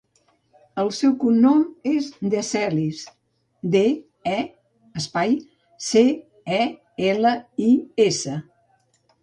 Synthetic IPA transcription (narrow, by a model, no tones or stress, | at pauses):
əlˠsɛwkunːomezd̪əsɛlis | d̪e | ɛ | əspaj | se | ɛ | ɛləiesə